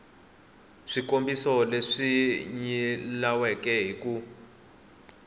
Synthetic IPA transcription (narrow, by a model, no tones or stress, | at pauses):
ʂikombisɔleʂiɲilawɛkɛɦiku